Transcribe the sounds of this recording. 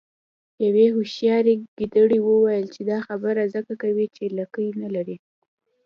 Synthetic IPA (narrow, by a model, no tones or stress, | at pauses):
jawehuʃjɑɾeɡ̥id̪əɽiwəwajəlt͡ʃed̪ɑxabəɾazəkakawit͡ʃelakəjnalaɾi